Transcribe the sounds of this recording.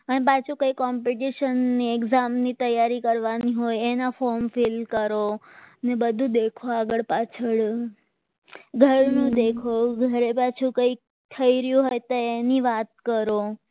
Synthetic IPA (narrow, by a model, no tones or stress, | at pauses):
ənep̬at͡ʃʰũkəjkɔmpiʈiʃənːiekzamnit̪əjaɾikəɾʋaniɦojenafɔɾmfilkəɾonebəd̪ʱũd̪ekʰoaɡəɭpat͡ʃʰəɭ | ɡʱəɾnũd̪ekʰoɡʱəɾepat͡ʃʰũkəik | t̪ʰəiɾjũɦojt̪oeniʋat̪̚kəɾo